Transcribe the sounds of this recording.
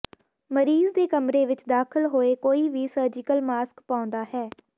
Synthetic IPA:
məɾiːzd̪eːkəmɾeːʋɪt͡ʃd̪aːkʰəlɦoːeːkoːiːʋiːsəːɾd͡ʒɪkəlmaːskpaːʊ̃nd̪aːɦɛː

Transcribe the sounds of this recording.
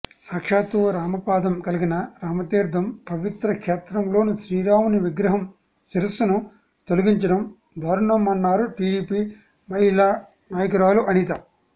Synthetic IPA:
saːkʂaːt̪uʋɐɾaːmɐpaːd̪ɐmkɐliɡinɐɾaːmɐt̪iːɾd̪ʱɐmpɐʋit̪ɾɐkʂɛːt̪ɾɐmlo̞ːnuʃɾiːɾaːʋuniʋiɡɾɐɦɐm | siɾɐsɐnu | t̪oluɡiɲt͡ʃɐɽɐm | d̪ʱɐːɾuɳɐmɐnːaːɾuʈiːɖiːpiː | mɐɦilaː | naːjɐkɐɾaːluʔɐnit̪ɐ

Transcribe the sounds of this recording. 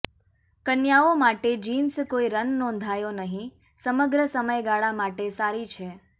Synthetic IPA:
kənjaomaʈed͡ʒinskoiɾənːɔ̃nd̪ʱajonəɦĩ | səməɡɾəsəməjɡaɭamaʈesaɾit͡ʃʰe

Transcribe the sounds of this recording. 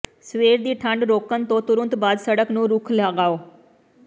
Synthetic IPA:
sʋeːɾd̪iːʈʰə̃ɳɖɾoːkənt̪õt̪ʊɾə̃nt̪baːd̪səɽəknũːɾʊkʰlaːɡaːoː

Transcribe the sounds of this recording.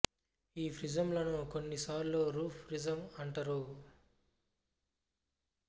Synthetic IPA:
iːpʰɾid͡ʒɐmlɐnukonːisaːɾlo̞ːɾuːpʰpɾid͡ʒɐmɐɳʈɐɾu

